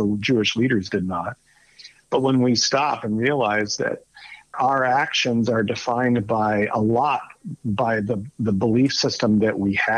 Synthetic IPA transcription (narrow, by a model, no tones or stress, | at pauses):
oʊd͡ʒʉɨʃliɾə˞zdɨdⁿnət̚ | b̥ʌt̚wə̃nwistɑpɨ̃nɹiəlaɪzðɨ̰ɾʔaʊə˞ækʃɨ̃nzə˞dɨfãɪ̃nbaɪʔə̰lɔt̚b̥aɪðəðəbəlifsɪstə̃mðɨʔwiɨ